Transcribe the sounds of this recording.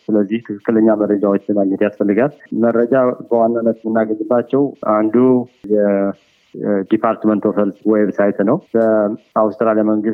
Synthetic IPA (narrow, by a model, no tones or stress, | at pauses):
sɨləzːiht̪ʰɨkʰɨkːɨləɲːaməɾːəd͡ʒawot͡ʃːɨnaɲːɛt̪jasfəlːɨɡalməɾːəd͡ʒabəwanːanːət̪mɨnːaɡəɲɨbːat͡ʃːɛwand̪ujɛ | d̪ipʰaɾt̪mənt̪ʰofəlswɔjβsajt̪ʰnəwbəawst̪ɨɾaljaməŋɡɨs